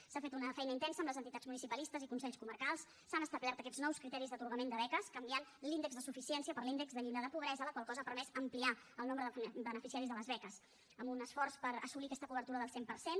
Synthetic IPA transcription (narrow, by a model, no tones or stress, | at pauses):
safet̪unəfɛjnəint̪ɛnsəmləzənt̪it̪ad͡zmunisipəlist̪əzikuns̬ɛʎskuməɾkalˠsːanəst̪əlat̪əkɛd͡znɔwskɾit̪ɛɾizðət̪uɾɣəmend̪əβɛkəskəmbianlind̪əɡzðəsufisiɛnsiəpəɾlind̪əɡzðəʎild̪əðəpuβɾɛzələkwalˠkɔzəaːpəɾmɛzəmpliaəlˠnombɾəðəbənəfisiaɾizðələzβɛkəs | əmunəsfɔrspəɾə̰sulikɛst̪əkuβəɾt̪uɾəðəlˠsempəɾsen